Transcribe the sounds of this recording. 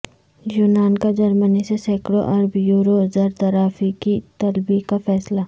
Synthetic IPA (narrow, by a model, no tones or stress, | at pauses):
juːnaːnkad͡ʒɐɾmənisesɛːkɽoʔɐɾbjuːɾozɐɾt̪ɐɾaːfikit̪ɐlbikafɛːsla